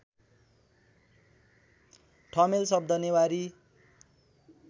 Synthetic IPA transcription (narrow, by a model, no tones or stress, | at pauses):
ʈʰʌmelsʌb̚d̪ʱʌnjewaɾi